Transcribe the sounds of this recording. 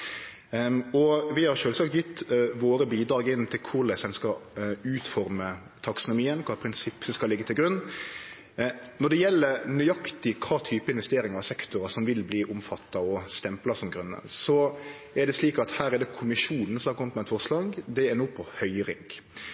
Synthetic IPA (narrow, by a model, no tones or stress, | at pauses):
ɔʋɪhɑɾʃøːlsɑk̚t̪jʏt̪ːʋoːɾəbiːd̪ɾɑːɡɪnt̪ʰɪlkʰʊɾlɛsɛnskɑʉːt̪fɔɾmə | t̪ʰɑksʊnʊmiːənkʰɑːpʰɾɪnsɪpːɔskɑlɪɡːət̪ʰɪlɡɾʉnː | nɔɖ̪ɛjɛlːəɾnyʏɑkt̪ɪkʰɑːt̪ʰyːpəɪnʋɛst̪eːɾɪŋɑɾɑsɛkt̪ʊɾɑʂɔmʋɪlbliːʔʊmfɑt̪ːɑɔst̪ɛmplɑsɔmɡɾʉnːə̰sɔ | ɛɖ̪ɛsliːkɑt̪hæːɾɛd̪ɛkʰʊmɪʂuːnn̩sɔmhɑɾkʰɔmət̪mɛt̪fɔʁʂlɑːɡd̪ɛɛnuːpʰɔhœʏɾɪŋɡ